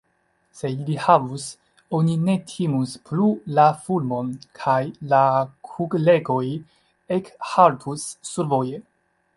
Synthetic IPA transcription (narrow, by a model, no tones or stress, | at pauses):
se̞ilihavus | o̞nine̞tʰimusplulafulmo̞nkʰajlakʰuɡle̞ɡo̞j | ekhaltʰusːuɾvo̞je